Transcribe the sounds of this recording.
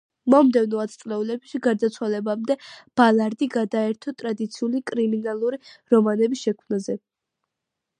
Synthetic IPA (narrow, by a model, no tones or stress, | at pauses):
mɔmd̪ɛvnɔat̪sʼlɛulɛbʃiɡaɾd̪at̪sʰwalɛbamd̪ɛb̥alˠaɾd̪iɡad̪aɛɾt̪ʰɔt̪ʼɾad̪it̪sʰiulikʼɾiminalˠuɾiɾɔmanɛbisʃɛkʰmnazɛ